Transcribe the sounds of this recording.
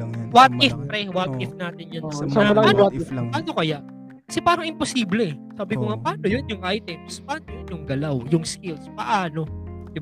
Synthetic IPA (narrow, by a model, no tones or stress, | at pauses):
wat̪̚ɪfpɾɛwat̪̚ɪfnaːt̪ɪnjonɐsɐɐlɐkiwat̪̚aːno̞kɐjaʔ | kɐ̥sɛpaːɾɐŋɪmposiːblɛɛsaːbɪkoŋapaːnojonjʊŋʔajt̪ɛmspɐaːnojonjʊŋɡɐlawjʊŋskɪlspɐʔaːno̞d̪ɪba